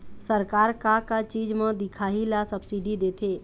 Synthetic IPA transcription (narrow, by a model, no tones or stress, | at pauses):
səɾkaːɾkakat͡ʃiːd͡ʒmə̃d̪ɪkʰaːɦilasəbsiːɖid̪eːt̪ʰeː